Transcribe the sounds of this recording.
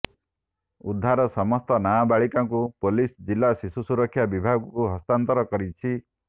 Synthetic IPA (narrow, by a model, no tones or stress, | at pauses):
ud̪ʱːaɾɔsɔmɔst̪ɔnabaɭikaŋkupolisd͡ʒilːasisusuɾɔkʰːjabibʱaɡɔkuɦɔst̪ant̪ɔɾɔkɔɾit͡ʃʰi